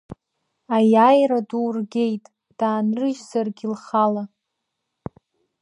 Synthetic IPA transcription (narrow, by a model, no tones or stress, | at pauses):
ajajɾaduwrɡʲe̞jtʼ | d̥aːnrɨʒzarɡʲilχala